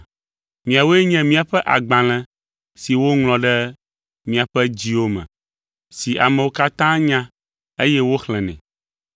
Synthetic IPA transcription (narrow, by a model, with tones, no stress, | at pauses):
mĩ˨a˨wo˦ɛ˦ɲɛ̃˨mĩ˦a˨ɸɛ˦ʔa̰˨ɡ͡bã˨l̃ɛ̃˨ | si˨wo˦ŋl̃ɔ̃˨ɖɛ˦ | mĩ˨a˨ɸɛ˦d͡ʑi˦wo˦mɛ̰̃˨ | si˨ʔa̰˨mɛ̃˨wo˦ka˦t̪ã˦ɲã˦ | e˦jɛ˦wo˦xlɛ̃˨nɛ̰̃˨